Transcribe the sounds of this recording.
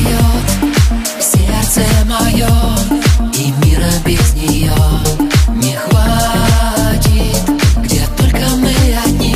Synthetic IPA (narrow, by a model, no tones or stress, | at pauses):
jɔ | fsʲert̪sɛmajɔ | imʲiɾəbʲɪznʲɪjo | nʲɪxva | t͡ɕʲit̪ɡdʲet̪ɔlʲkəmɨadnʲi